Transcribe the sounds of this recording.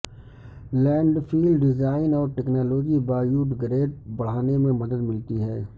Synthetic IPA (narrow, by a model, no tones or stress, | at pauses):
lɛ̃ːɳɖfʰiːlɖɖɪzaːɪnɔːɾʈɛːknaːloːd͡ʒibaːjuːʈɡɾeːʈ̚bɐɽ̤aːnemẽmɐd̪əd̪mɪlt̪iɦɛː